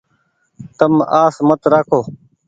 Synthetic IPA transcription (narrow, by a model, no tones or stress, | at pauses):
t̪əmaːsmət̪ɾaːkʰoː